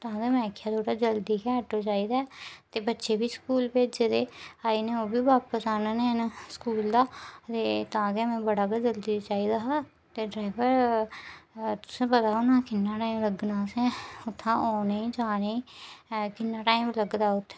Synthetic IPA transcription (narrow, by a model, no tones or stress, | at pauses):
t̪ʊɦãːd̪emɛ̃ːkʰːjaːt̪ʰoːʈaːd͡ʒəld̪iːkɛ̃ːʈoːt͡ʃaːiːd̪aːɛːt̪eːbətːʃeːbiːskuːlpeːd͡ʒd͡ʒed̪eːaːinẽːoːbiːʋaːpəsaːnaːnẽːnaskuːld̪aːt̪eːt̪ãːɡamɛ̃ːbəɽaːkəd͡ʒəld̪iːt͡ʃaːiːd̪aːɦaː | t̪eːɖɾaːɪʋəɾ | t̪ʊ̥sẽːpət̪aːonãːkɪnːaːʈaːimləɡnaːsɛ̃ːʊt̪ʰːãːʔoːneːd͡ʒaːneːkɪnːaːʈaːimləɡd̪aːʊt̪ʰː